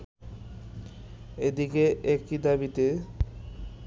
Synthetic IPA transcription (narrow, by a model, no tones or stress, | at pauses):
ed̪ikeʔek̚ʈid̪abit̪e